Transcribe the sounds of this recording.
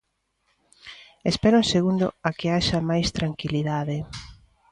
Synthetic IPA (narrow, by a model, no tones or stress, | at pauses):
espɛɾoŋseɣund̪ʊ̰akeaʃɐmajst̪ɾaŋkiliðaðe